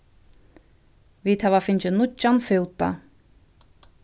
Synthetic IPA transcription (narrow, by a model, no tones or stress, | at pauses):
viðhɛvafɪnt͡ɕʏnʊt͡ɕːanfʏːwt̪a̰